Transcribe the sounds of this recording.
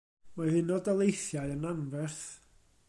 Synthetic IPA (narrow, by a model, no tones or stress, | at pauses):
maðɪnɔdalˠejθjaɨənanvɛrθ